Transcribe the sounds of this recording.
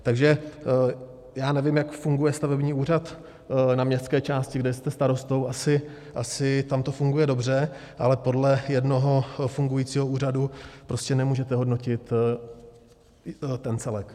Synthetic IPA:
t̪aɡʒɛ | jaːnɛvɪmjakfuŋɡujɛst̪avɛbɲiːuːrat̪ | namɲɛstt͡sskɛːt͡ʃaːscɪɡdɛjst̪ɛst̪aɾo̞st̪o̞wʔasɪ | ʔasɪt̪amt̪o̞fuŋɡujɛdo̞br̝ɛ | ʔa̰lɛpo̞dlɛjɛdno̞ɦo̞fuŋɡujiːt͡siːɦo̞uːradupɾo̞scɛnɛmuːʒɛt̪ɛɦo̞dno̞cɪt̪ | t̪ɛnt͡sɛlɛk

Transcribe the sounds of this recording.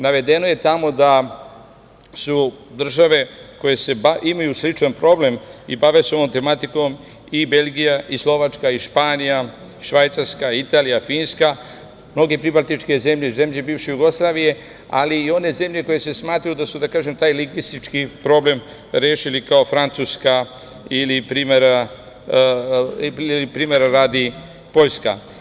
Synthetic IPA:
naʋe̞d̪e̞noje̞t̪amo̞d̪a | sud̪r̩ʒaʋe̞ko̞je̞se̞baimajuslit͡ʃanpɾo̞ble̞mibaʋeso̞ʋomt̪emat̪iko̞m | ibe̞ʎɡijaislˠo̞ʋat͡ʃkaiʃpaːnija | ʃʋajt̪saɾskait̪aːlijafiːnska | mno̞ɡe̞pɾibalt̪it͡ʃke̞ze̞mʎeze̞mʎebiːʋʃejuɡo̞slˠaːʋije̞ | a̰liːo̞ne̞ze̞mʎe̞ko̞je̞se̞smaːt̪ɾajud̪asud̪akaːʒe̞mt̪aːjliŋɡʋist̪it͡ʃkipɾo̞ble̞m | ɾjeːʃilikao̞fɾant̪suska | ilipɾimeɾa | ilipɾimeɾaɾaːd̪i | po̞ʎska̰

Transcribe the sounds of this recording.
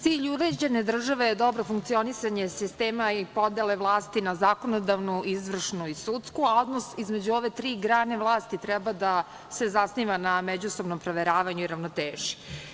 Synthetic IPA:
t̪iːʎuɾe̞d͡ʑe̞ned̪r̩ʒaʋe̞jed̪o̞bɾo̞fuŋkt̪sio̞nisaɲe̞sist̪eːmaipo̞d̪eleʋlˠaːst̪inazako̞nod̪aʋnuizʋr̩ʂnuisut̪skuao̞d̪nosizme̞d͡ʑuo̞ʋe̞t̪ɾiːɡɾaːne̞ʋlˠaːst̪it̪ɾɛbad̪a | sezasniʋanamed͡ʑusobno̞mpɾoʋeɾaːʋaɲuiɾaʋnot̪eːʒi̥

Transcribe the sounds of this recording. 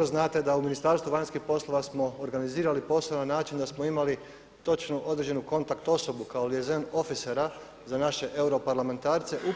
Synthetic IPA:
ɾoznaːt̪e̞d̪auminist̪aɾst̪ʋuʋaɲʲskixpo̞slˠo̞ʋasmo̞ːɾɡaniziːɾalipo̞snanaːt͡ʃind̪asmoimali | t̪o̞t͡ʃnoʔo̞d̪ɾe̞d͡ʑd͡ʒe̞nuko̞nt̪akt̪o̞so̞bukaoliezeno̞fiseɾa | zanaʃe̞ʔe̞wɾo̞paɾlame̞nt̪aːɾt̪se̞ʔu

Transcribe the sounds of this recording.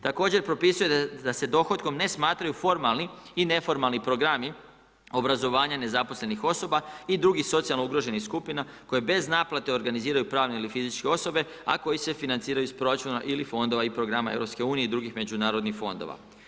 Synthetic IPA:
t̪ako̞ːd͡ʑe̞ɾpɾo̞pisujed̪ase̞d̪o̞xo̞t̪ko̞mne̞smaːt̪ɾajufo̞ɾmalˠniːne̞fo̞ɾmalˠnipɾo̞ɡɾami | o̞bɾazo̞ʋaːɲane̞zapo̞sle̞nixo̞so̞baid̪ɾuɡixso̞t̪sijalnouɡɾo̞ʒe̞nixskupinako̞jebe̞znaːplat̪e̞o̞ɾɡaniziːɾajupɾaːʋne̞ilifizit͡ʃkeo̞so̞be̞ | a̰ko̞jise̞finant̪siːɾajuspɾo̞ɾat͡ʃunaʔilifo̞nd̪o̞ʋaipɾo̞ɡɾamaeʋɾo̞pske̞uːnijeid̪ɾuɡixme̞d͡ʑunaːɾo̞d̪nixfo̞nd̪o̰ʋa̰

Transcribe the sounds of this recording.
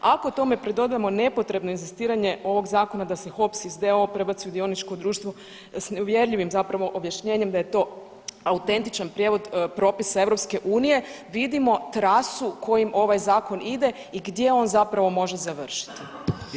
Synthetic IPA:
ako̞ut̪o̞me̞pɾed̪o̞d̪ajemo̞ne̞po̞t̪ɾe̞bnoinzist̪iːɾaɲe̞o̞ʋo̞ɡzaːko̞nad̪ase̞xo̞psizd̪eo̞pɾe̞bat̪siud̪io̞nit͡ʃko̞d̪ɾuːʃt̪ʋo̞ | sneuʋje̞ɾʎiʋimzapɾaʋo̞ʔobjaʃɲe̞ːɲe̞md̪aje̞t̪o̞ː | aut̪e̞nt̪it͡ʃanpɾjeʋo̞d̪pɾo̞ːpisaeʋɾo̞pske̞ʔuːnije̞ʋid̪imo̞t̪ɾasukʰo̞jimʔo̞ʋajzaːko̞nid̪e̞ | iɡd̪je̞o̞ːnzapɾaʋo̞mo̞ʒe̞zaʋr̩ʃi̥t̪i

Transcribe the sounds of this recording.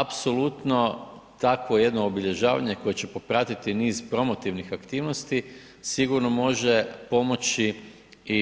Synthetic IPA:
apso̞lˠut̪no̞t̪akʋo̞je̞d̪noːbiʎe̞ʒaːʋa̰ɲe̞ko̞je̞t͡ɕe̞po̞pɾat̪it̪iniːzpɾo̞mo̞t̪iʋnixakt̪iːʋno̞st̪i | siɡuɾnomo̞ʒe̞po̞mo̞t͡ʃi | i

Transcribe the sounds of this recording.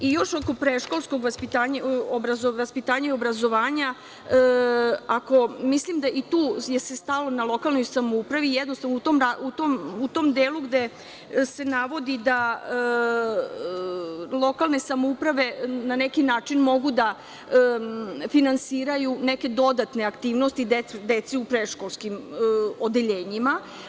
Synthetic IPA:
ijo̞ʃo̞ko̞pɾeʃko̞lˠsko̞ɡʋaspit̪aːɲaobɾazoʋaspit̪aːɲaio̞bɾazo̞ʋaːɲa | ako̞mislimd̪aʔit̪uːjesest̪alo̞nalˠo̞kalˠno̞jsamoupɾaʋijɛd̪nost̪anout̪omɾaut̪omut̪omd̪eːluɡd̪e | se̞naʋo̞d̪id̪a | lˠo̞kalˠne̞samoupɾaʋe̞nanekinaːt͡ʃinmo̞ɡud̪a | əfinansiːɾajuneke̞d̪o̞d̪at̪ne̞akt̪iːʋnost̪id̪ed̪et̪siupɾeʃko̞lˠskimod̪e̞ʎe̞ːɲima

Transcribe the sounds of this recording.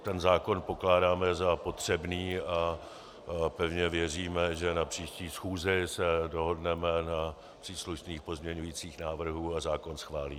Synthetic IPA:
t̪ɛnzaːko̞npo̞klaːdaːmɛzapo̞t̪r̝̥ɛbniːa | pɛvɲɛvjɛriːmɛʒɛnapr̥iːʃciːsxuːzɪsɛdo̞ɦo̞dnɛmɛna | pr̥iːsluʃniːxpo̞zmɲɛɲujiːt͡siːxnaːvr̩ɦuːazaːko̞nsxvaːliː

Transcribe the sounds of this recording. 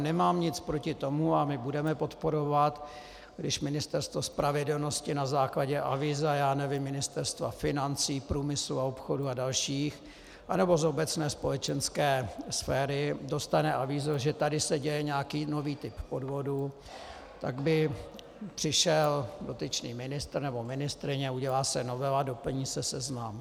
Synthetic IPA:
nɛmaːmɲɪt͡spɾo̞cɪt̪o̞muamɪbudɛmɛpo̞t̪po̞ɾo̞vat̪ | ɡdɪʃmɪnɪst̪ɛɾst̪vo̞spɾʔavɪdɛlno̞scɪnazaːklaɟɛʔa̰vizajaːnɛvɪmːɪnɪst̪ɛɾst̪va̰fɪnant͡siːpɾuːmɪsluaopxoduadalʃiːx | ʔanɛbo̞zo̞bɛt͡snɛːspo̞lɛt͡ʃɛnskɛːsfɛːɾɪdo̞st̪anɛʔavizoʒɛt̪adɪsɛɟɛjɛɲɛakiːno̞viːt̪ɪppo̞dvo̞du | t̪aɡbɪ | pr̝̥ɪʃɛldo̞t̪ɪt͡ʃnḭːmɪnɪst̪ɾnɛbo̞mɪnɪst̪ɾɪɲɛuɟɛlaːsɛno̞vɛlado̞pl̩ɲiːsɛsɛznam

